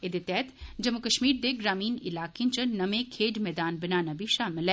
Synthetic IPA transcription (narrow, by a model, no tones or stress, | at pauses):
ed̪et̪ɛːt̪d͡ʒɐmːʊkəʃmiːɾd̪eɡɾaːmiːnɪ̰laːkẽt͡ʃənɐmẽkʰeːd͡ʒmɛːd̪aːnbɐnaːnabʱiʃaːmɪlɛː